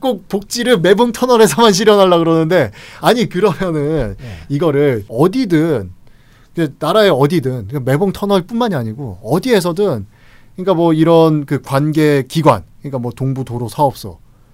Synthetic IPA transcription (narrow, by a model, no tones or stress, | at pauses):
k͈ok̚pok̚t͡ɕ͈iɾɯɭme̞bɯŋtʰʌnʌɾe̞sʰʌmanɕ̬ʰiɾjʌnɦaɭːaɡɯɾʌnːɯnde̞aɲikɯɾʌmjʌnɯniɡʌɾɯɭʌdidɯn | kɯenaɾaeʌdidɯnkame̞bɯŋtʰʌnʌɭp͈unmaɲiaɲiɡoʌdie̞sʰʌdɯn | kɯɲik͈amwʌiɾʌnkɯkwanɡe̞kiɡwa̰nkɯɲik͈amwʌtoŋbutoɾosʰaʌp̚s͈ʌ̰